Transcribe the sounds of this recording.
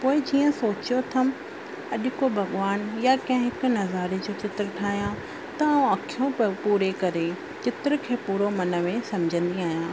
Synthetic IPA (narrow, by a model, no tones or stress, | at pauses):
poːɪd͡ʑiːə̃soːt͡ɕijot̪ʰɐm | ɐɗʊkobʱɐɠʋaːnjakɐ̃ɦɪ̃ɦɪkʊ̆nɐzaːɾed͡ʑoːt͡ɕɪt̪ɾəʈʰaːɦijã | t̪ɐũɐkʰijõpuːɾekɐɾe | t͡ɕɪt̪ɾkʰeːpuːɾomɐnə̆mẽsɐmd͡ʑʱə̃nd̪iaːɦijãː